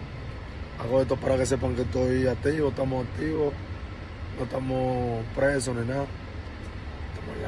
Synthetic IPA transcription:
aɣoet̪opaɾakes̬epaŋket̪ojat̪iβot̪amosak̚t̪iβo | not̪amopɾes̬oninað | t̪amoa

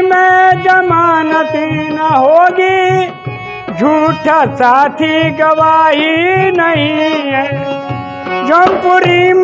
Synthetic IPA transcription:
mẽd͡ʒɐmaːnɐt̪inɐɦoːɡi | d͡ʒʱuːʈʰɐsaːt̪ʰiɡɐʋaːɦinɐɦĩ | d͡ʒompʊɾim

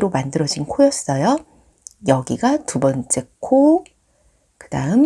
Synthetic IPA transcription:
ɾomandɯɾʌd͡ʑinkʰojʌs͈ʌjo | jʌɡiɡatubʌnt͡ɕ͈e̞kʰo | kɯdaɯm

